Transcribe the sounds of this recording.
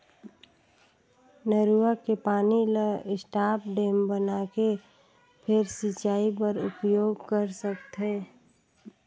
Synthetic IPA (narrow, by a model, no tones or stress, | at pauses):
nəɾuakepaːniləɪsʈaːpʰɖeːmbənake | pʰeɾsit͡ʃaːipəɾʊpjoːɡkəɾsəkt̪ʰɦe